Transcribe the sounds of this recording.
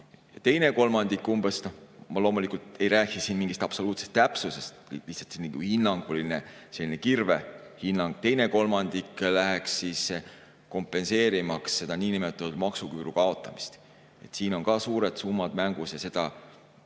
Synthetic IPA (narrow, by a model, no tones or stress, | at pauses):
jɑt̪e̞jne̞ko̞lmɑnd̪̥ikːumbesnomɑlo̞ːmulikult̪e̞jɾæːkisinmiŋɡ̥ist̪ɑpso̞luːt̪sest̪ːæpsusest̪liht̪sɑ̥t̪sinniɡ̥uhinːɑŋɡ̥olinese̞lːine̞kirve̞hinːɑŋɡ̥̚t̪e̞jne̞ko̞lmɑnd̪̥iklæɦeksːiːs | ko̞mpːˑe̞nse̞ːɾimɑksːe̞d̪̥ɑniːnimet̪ːˑɑt̪ːud̪̥mɑksukyːɾukɑo̞t̪ːˑɑmi̥st̪ | e̞̰t̪siːno̞ŋkɑsuːɾe̞d̪sumːɑd̪̥mæŋɡ̥usjɑse̞d̪̥ɑ